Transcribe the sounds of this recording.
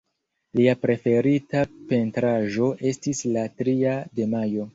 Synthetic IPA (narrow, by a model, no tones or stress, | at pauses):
liapɾe̞fe̞ɾitape̞ntɾaʒo̞ʔe̞stislatɾiade̞majo̞